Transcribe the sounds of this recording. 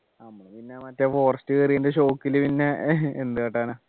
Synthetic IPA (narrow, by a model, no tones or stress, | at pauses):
ɐmːɐɳepinːemɐtːɐfo̞ːrɐstːɨkɐrijund̪eɕ̬o̞ːkːilɨpinːe̞end̪ɨkeʈːaːna